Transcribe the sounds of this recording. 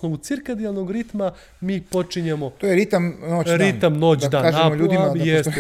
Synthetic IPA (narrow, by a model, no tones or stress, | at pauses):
snoʋut̪siɾkad̪ialˠnoɡɾit̪ma | miːpo̞t͡ʂiɲemot̪ojeɾit̪amnoːt͡ɕ̪ɾint̪amnoːt͡ʃ̪ad̪aːnaʒeamoʎuːimajes